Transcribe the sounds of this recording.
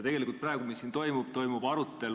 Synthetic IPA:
t̪e̞ɡelikult̪̚prɑeɡ̥umisːint̪o̞jmub̥t̪o̞jmub̥ɑɾut̪ːˑe̞l

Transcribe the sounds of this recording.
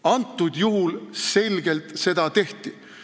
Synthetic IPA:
ɑnt̪ˑːud̪̥juɦulse̞lʲɡe̞lt̪se̞d̪̥ɑt̪e̞ht̪i

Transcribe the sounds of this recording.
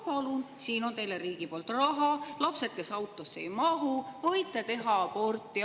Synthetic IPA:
pɑlunsiːno̞nt̪e̞jleɾiːɡ̥ipo̞lt̪rɑɦɑlɑpse̞t̪̚ke̞sɑwt̪ːˑo̞sːejmɑɦuvɤ̞jt̪ːˑet̪e̞ɦɑpo̞rt̪ːˑi

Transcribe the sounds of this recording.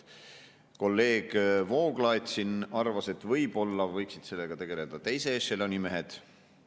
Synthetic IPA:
ko̞lːe̞ːɡ̥vo̞ːɡlɑjt̪sinɑrvɑse̞t̪ːvɤjb̥o̞lːɑvɤjksid̪̥se̞lːe̞ɡ̥ɑt̪e̞ɡ̥e̞led̪̥ɑt̪e̞jse̞ʃelo̞nʲime̞ɦe̞d̪̥

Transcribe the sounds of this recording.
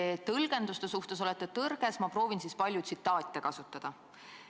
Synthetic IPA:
t̪ɤlɡ̥e̞nd̪ust̪e̞suht̪e̞so̞let̪ːˑet̪ɤrɡ̥e̞smɑpro̞ːvinsispɑlʲjut̪sit̪ːˑɑːt̪ʲːekɑsut̪ːˑɑd̪̥ɑ

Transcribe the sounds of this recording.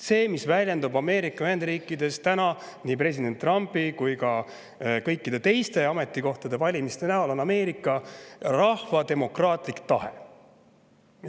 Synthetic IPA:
se̞ːmisvælʲjend̪ubɑme̞ːɾikːˑɑhend̪riːkːˑid̪e̞st̪ænɑniːpre̞s̬ʲid̪e̞nt̪ːˑrɑmpːikujkɑ | kɤ̞jkːid̪̥e̞t̪e̞jst̪e̞ɑme̞t̪ːˑiko̞ht̪ɑd̪e̞vɑlʲimist̪e̞næolo̞nɑme̞ːɾikːˑɑrɑhvɑt̪e̞mo̞krɑːt̪ˑlikt̪ɑhe

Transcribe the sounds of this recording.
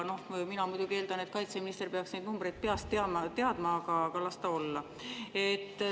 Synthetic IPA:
no̞hminɑmujd̪̥ʲuɡ̥ie̞ːld̪̥ɑnet̪̚kɑjt̪seminist̪e̞rpe̞ɑksne̞jd̪numbre̞jd̪̥̚pe̞ɑst̪ːeɑmɑt̪e̞ɑd̪̥mɑkɑkɑlɑst̪ɑo̞lːɑ | e̞t̪ː

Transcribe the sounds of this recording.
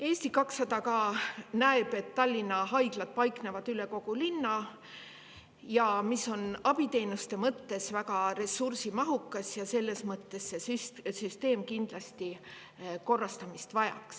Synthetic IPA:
e̞ːsʲt̪ikɑksːɑd̪̥ɑkɑːnæeb̥e̞t̪ːɑlʲːinːɑɦɑjɡ̥lɑd̪̥̚pɑjkne̞vɑd̪̥yle̞ko̞ɡ̥ulinːɑ | jɑmiso̞nɑb̥it̪e̞ːnust̪e̞mɤt̪ːe̞svækɑɾe̞sursimɑɦukːˑɑsjɑse̞lːe̞smɤt̪ːe̞sːe̞syssyst̪e̞ːmkind̪̥lɑst̪i | ko̞rːɑst̪ɑmist̪vɑjɑ̰ks

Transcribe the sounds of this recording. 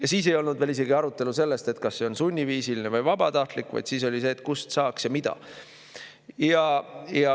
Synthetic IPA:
jɑsiːs̬e̞jo̞lnud̪ve̞ːlis̬e̞ɡiɑɾut̪ːˑe̞luse̞lːe̞st̪e̞t̪kɑsːe̞o̞nsunʲːiviːsilinevɯjvɑb̥ɑt̪ɑht̪likːˑvɑ̰jd̪̥siːs̬o̞lʲise̞ːt̪ˑkust̪sɑːksjɑmid̪̥ɑ̰ | jɑjɑ

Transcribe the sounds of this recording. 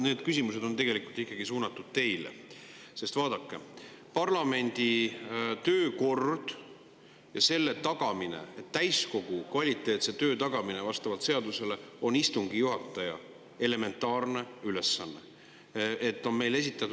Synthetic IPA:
ne̞ːd̪̥kysimuse̞d̪o̞nt̪e̞ɡe̞likult̪ihkːˑɑɡ̥isuːnɑt̪ːˑud̪̥̚t̪e̞jlḛ | se̞st̪vɑːd̪̥ɑkːe̞ | pɑrlɑme̞nʲd̪̥it̪ø̞ːko̞rd̪̥ | jɑse̞lːe̞t̪ɑɡ̥ɑminḛet̪ːæjsko̞ɡ̥ukvɑlʲit̪ːˑe̞ːt̪se̞t̪ø̞ːt̪ɑɡ̥ɑminevɑst̪ɑvɑlt̪se̞ɑd̪use̞le̞onist̪uŋɡ̥ijuɦɑt̪ːˑɑjɑ̰ | e̞le̞me̞nt̪ːˑɑːrne̞yle̞sːɑnːe | e̞t̪ːˑo̞nme̞jle̞s̬ʲit̪ːˑɑt̪u

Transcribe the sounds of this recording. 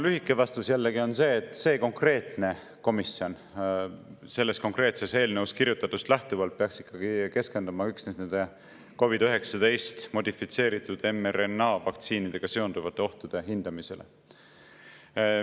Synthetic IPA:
lyɦikːˑe̞vɑst̪usjælːeɡio̞nse̞ːt̪ːˑse̞ːko̞ŋkre̞ːt̪ˑne̞ | ko̞misio̞n | se̞lːe̞sko̞ŋkre̞ːt̪se̞se̞ːlnewuskiɾjut̪ːˑɑt̪ːˑust̪læht̪uvɑlt̪̚peɑksi̥kːɑɡ̥ike̞ske̞nd̪̥umɑyksnesne̞nd̪e | ko̞vid̪øɦe̞ksɑd̪̥e̞jst̪mo̞d̪̥ʲifit̪se̞ːɾit̪ːˑud̪̥e̞meɾenːɑvɑk̚t̪siːnid̪̥e̞ɡ̥ɑseo̞nd̪̥uvɑt̪ːˑe̞o̞ht̪ud̪̥e̞ɦind̪̥ɑmise̞̰lʔḛ

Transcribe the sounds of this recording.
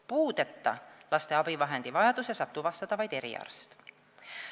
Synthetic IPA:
puːd̪̥e̞t̪ːɑ̰lɑst̪e̞ɑb̥ivɑɦe̞nd̪̥ivɑjɑd̪̥usesɑt̪ːuvɑst̪ɑd̪̥ɑvɑjd̪e̞ɾḭɑ̰rst̪

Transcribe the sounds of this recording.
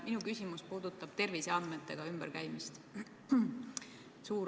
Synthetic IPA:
minukysʲimuspuːd̪̥ut̪ːˑɑb̥̚t̪e̞rviseɑnd̪̚me̞t̪ːˑe̞ɡ̥ɑymb̥eɾkæjmist̪ | suːɾ

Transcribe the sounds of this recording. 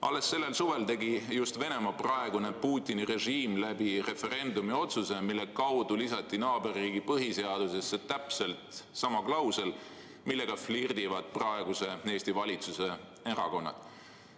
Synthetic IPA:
ʔɑ̰lːe̞sːe̞lːe̞lsuve̞lt̪e̞ɡijust̪ve̞ne̞mɑprɑe̞ɡ̥une̞puːt̪ʲːˑinire̞ʒiːmlæb̥ire̞fe̞ɾe̞nd̪umio̞t̪suse̞milːe̞kɑwd̪̥ulisɑt̪ːˑinɑːbe̞rːiːɡipɤɦise̞ɑd̪̥use̞sːet̪ːæpse̞lt̪sɑmɑklɑwse̞l | milːe̞ɡ̥ɑflird̪ivɑd̪̥̚prɑeɡ̥use̞e̞ːst̪ivɑlʲit̪suse̞ | eɾɑ̰ko̞nːɑ̰d̪̥

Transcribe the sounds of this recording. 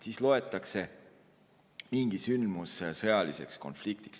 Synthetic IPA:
sislo̞e̞t̪ˑːɑkse̞ | miŋɡ̥isynmussɤjɑlise̞̰ksko̞nflikt̪i̥ks

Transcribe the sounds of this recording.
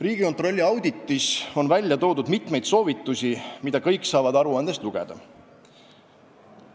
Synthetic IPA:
riːɡ̥iko̞nt̪ro̞lʲːiɑwd̪it̪ːˑiso̞nvælʲjɑt̪o̞ːd̪ud̪mit̪me̞jd̪so̞ːvit̪ˑːusʲimid̪̥ɑkɤjksɑːvɑd̪ɑɾuɑnd̪̥e̞st̪luɡ̥ɛ̰d̪̥ɑ̰

